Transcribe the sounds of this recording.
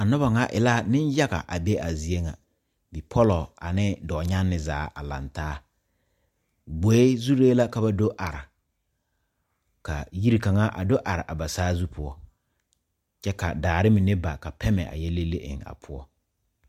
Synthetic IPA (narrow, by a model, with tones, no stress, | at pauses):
a˨nʊ˦ba˨ŋa˨ʔɪ̰˨la˦˨nɪ˦nja˦ɣa̰˨ʔa˨be˦ʔa˨zi˨e˦ŋa̰˨ | bi˨pʰɔ˦lɔ˨a̰˨nɪ˦dɔː˨ɲa˦nːɪ˨zaː˨˦ʔa˨la̰˨ntaː˦ | ɡ͡bo˨e˦zu˦ɾeː˦la˦ka˨ba˨do˦ʔa˨ɾɪ˨ | ka˨ji˦ɾi˨ka˨ŋa˦ʔa̰˨do˦ʔa˨ɾɪ˨ʔa˨ba˨saː˦zu˦pʰʊ˦ɔ˦ | t͡ʃɛ˦ka̰˨daː˨ɾɪ˦mɪ˨nɪ˦ba˨ka˨pʰɛ˦mɛ̰˨ʔa̰˨jɛ˦le˦le˦ʔɪ̰˨ŋa̰˨pʰʊ˦ɔ˦